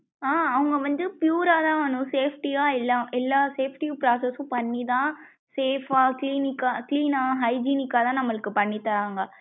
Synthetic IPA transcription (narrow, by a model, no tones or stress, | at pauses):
aːɐʋɐŋɡɐʋɐnd̪ɯpjuːɾaːt̪ãːʋɐnʊ̃seːfʈiaːɪlːaːʔɛlːaːseːfʈipɾaːsɐsʊ̃pɐɳːit̪ãː | seːfaːkliːnɪkːaːkliːnaːɦɐɪd͡ʒiːnɪkːaːt̪ãːnɐmːɐɭɯkːɯpɐɳːɪt̪ːɐɾaːŋɡɐ